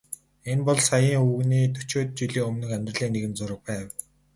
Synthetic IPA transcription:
enpɔɮsajiːŋɵɣniːt̪ʰɵ̥t͡ɕoːt̪̚t͡ɕiɮiːŋɵmnɵ̆xæmʲt̪rə̆ɮiːŋneɣɘ̆nt͡sʊɾə̆k̚pæːw

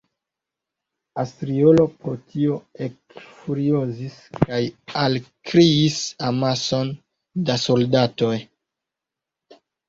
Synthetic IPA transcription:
astɾiolo̞pɾotio̞ekfuɾioziskajalkɾiisamaso̞n | daso̞ldato̞j

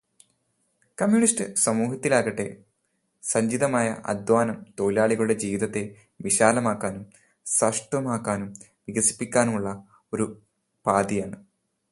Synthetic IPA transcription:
kɐmjuɳisʈɨsɐmuːɦɐt̪ːilaːɡɐʈːe̞̰ | sɐɲd͡ʑid̪ɐmaːjɐ̰ʔɐ̰d̪waːnɐmt̪o̞ːjlaːɭiɣɐɭuɽe̞d͡ʑiːʋid̪ɐt̪ːe̞ | ʋiɕaːlɐmaːkːaːnum | sɐʂʈʋɐmaːkːaːnum | ʋiɡɐsi̥pːikʲːaːnuɭːɐ | o̞ɾu | paːd̪ijaːɳɨ

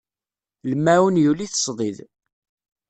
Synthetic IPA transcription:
ləmːæwənjuliθə̥sˤðˤið

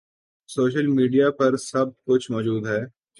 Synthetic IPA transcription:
soːʃ̬əlmiːɖijapɐɾsɐb̚kʊt͡ʃʰmɔːd͡ʒuːd̪ɦɛː

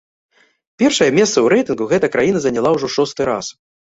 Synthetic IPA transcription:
pʲɛrʂɐjɐmʲɛst̪sɐwɾɛjt̪ɨnɡuɣɛt̪ɐkɾajinɐzɐnʲalˠawʐɔʂɔst̪ɨɾa̰s

